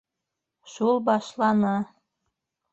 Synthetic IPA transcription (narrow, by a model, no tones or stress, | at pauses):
ʃulˠbɑʃlɑnɑ